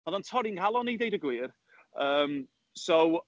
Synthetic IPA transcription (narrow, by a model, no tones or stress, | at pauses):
ɔðantʰɔɾinkʰalˠɔnidejdəɡwiːr | əːm | sow